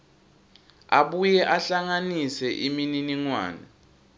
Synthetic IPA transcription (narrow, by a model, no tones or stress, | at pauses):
aɓujɛʔaɬaŋanisɛʔimininiŋwa̰ːnɛ